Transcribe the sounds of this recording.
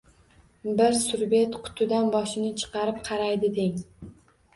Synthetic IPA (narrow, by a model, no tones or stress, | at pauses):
bɪɾsʊɾbe̞t̪qʰʊ̥t̪ʰʊd̪anbɒʃɪnɪt͡ʃʰɨ̥qɑɾɪp̚qʰɑɾajd̪ɪd̪ɪŋ